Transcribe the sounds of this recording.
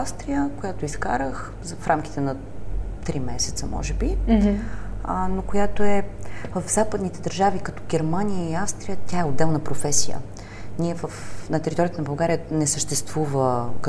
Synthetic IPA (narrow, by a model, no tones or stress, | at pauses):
afst̪ɾijəkojat̪oiska̰ɾəx | zfɾʔamk̟it̪ɛnɐ | t̪ɾimɛsɛ̥t̪səmɔ̰ʒɛbi | nokojat̪oɛvəvzapəd̪nit̪ɛd̪əɾʒavikɐt̪ɔ̥ɡɛɾmanijəiafst̪ɾijət̪ʲjaɛod̪ːɛlˠnəpɾofɛsijə̰ | nʲiɛvəfnɐt̪ɛɾit̪ɔɾijət̪ənɐbɐlˠɡaɾijənɛsəʃt̪ɛst̪vuvək